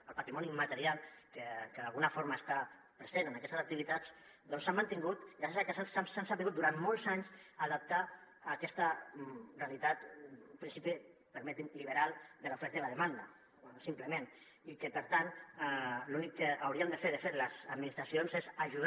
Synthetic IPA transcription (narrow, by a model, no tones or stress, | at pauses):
əlpat̪ɾimɔnimat̪əɾialˠkəkəðalɣunafoɾmast̪a | pɾəzenənakɛst̪əsək̚t̪iβit̪at͡s | d̪ɔnsamːənt̪iŋɡut̪ɾasesakəsasasansabiɣut̪̚d̪uɾanmɔlˠzaɲsaðəp̚t̪aː | kɛst̪ərealit̪at̪pɾinsipi | pəɾmɛt̪inliβəɾalˠd̪əlaufɛɾt̪ələðəmand̪a̰ | simpləmẽn | ikəpəɾt̪an | lunikːəʔawɾiəmd̪əfeɾðəfeɾləzəd̪minist̪ɾasionzezaʒuð